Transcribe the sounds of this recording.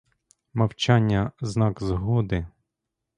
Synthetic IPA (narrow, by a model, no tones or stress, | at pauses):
mɐwt͡ʃɑnʲːɐznɑkzɦɔd̪ɪ